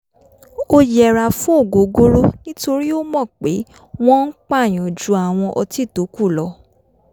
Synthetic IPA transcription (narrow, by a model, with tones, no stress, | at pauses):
o˧jɛ˨ɾa˨fũ˦o˦˨ɡo˨ɡo˦ɾo˦nĩ˦to˧ɾi˦o˦mɔ̃˦˨k͡pe˨˦ | w̃ɔ̃˦n̩˦k͡pa˦˨j̃ɔ̃˨d͡ʒu˨˦a˨w̃ɔ̃˧ʔɔ˧ti˦˨to˨˦ku˦˨lɔ˧˦